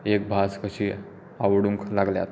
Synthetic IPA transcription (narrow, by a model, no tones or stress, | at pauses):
ek̚bʱaskəɕi | aʋɽuŋklaɡlja̰t̪